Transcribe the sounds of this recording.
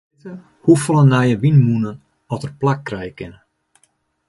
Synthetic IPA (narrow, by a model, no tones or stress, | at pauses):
hufɔlˠənajəʋinmunən | ɔtərplak̚ːrɛjəkɪnə